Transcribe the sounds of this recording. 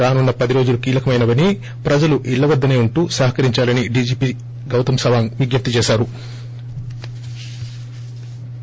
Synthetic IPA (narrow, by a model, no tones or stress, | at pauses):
ɾaːnunːɐpɐd̪iɾo̞ːd͡ʒulukiːlɐkɐmɐjnɐʋɐni | pɾɐd͡ʒɐluʔiɭːɐʋɐd̪ːɐne̞ːuɳʈuːsɐɦɐkɐɾiɲt͡ʃaːlɐniɖid͡ʒiːpi | ɡɐwt̪ɐmsɐʋaːŋʋiɡjɐp̚t̪it͡ʃeːʃaːɾu